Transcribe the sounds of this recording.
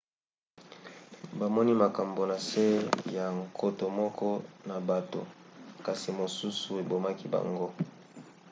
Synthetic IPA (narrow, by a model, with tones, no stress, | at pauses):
ba˨mɔ˦ni˦ma˨ka˨mbo˨na˨se˦ja˨ŋkʰo˦to˨mɔ˦kɔ˦na˨ba˨to̰˨ | ka˨si˨mo˨su˦su˨e˨bo˨ma˦ki˦ba̰˨ŋɡo˦